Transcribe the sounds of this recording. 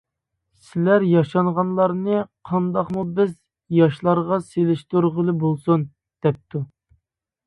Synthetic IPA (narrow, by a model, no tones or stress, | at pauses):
sɪlæɾjɑʃɑnʁɑnlˠɑɾnɨqʰɑnd̪ɑqmubɪz | jɑʃlˠɑɾʁɑselɪʃt̪uɾʁəlˠɨbolˠsun | d̪̥ɛp̚t̪ʰu